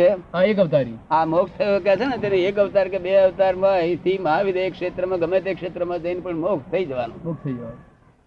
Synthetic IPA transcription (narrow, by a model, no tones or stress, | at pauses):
t͡ʃeɦaek̬əʋt̪aɾiãmokst̪ʰəkɛt͡ʃʰenet̪eneekəʋt̪aɾkebeəʋt̪aɾmãɦĩt̪ʰiməɦaʋid̪ʱeekʂet̪ɾəmãɡəmet̪ekʂet̪ɾəmãd͡ʒəjnipəɳmokʰt̪ʰəid͡ʒəʋanũmok̚ʰt̪ʰəid͡ʒəʋan